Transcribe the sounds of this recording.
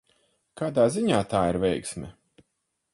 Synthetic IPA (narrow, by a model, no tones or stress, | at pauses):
kaːd̪aːziɲaːt̪aːiɾvʲɛjksmʲɛ̰